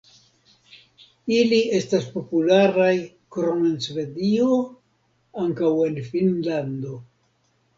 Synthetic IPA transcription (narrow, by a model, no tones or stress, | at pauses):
ilie̞staspo̞pulaɾaj | kɾomensve̞dio̞ | aŋkawe̞nfinlando̞